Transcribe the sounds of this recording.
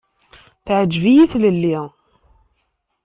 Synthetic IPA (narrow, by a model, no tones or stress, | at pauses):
θʕəd͡ʒːvijiθləlːi